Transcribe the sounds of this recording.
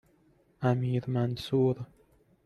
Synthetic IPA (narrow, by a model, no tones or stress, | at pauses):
ʔamiːɾmansuːɾ